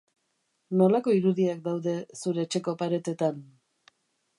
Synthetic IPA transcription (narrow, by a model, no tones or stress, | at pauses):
no̞lako̞iɾuðiak̚d̪awðe̞suɾe̞ːt͡ʃe̞ko̞paɾe̞t̪e̞t̪an